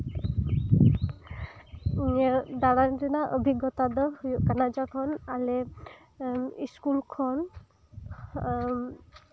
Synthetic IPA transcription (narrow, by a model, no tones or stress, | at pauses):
d̪aɽandinaʔəbʱiɡɔt̪ad̪ɔhujuʔkanad͡ʒakʰɔnale | iskulkʰɔn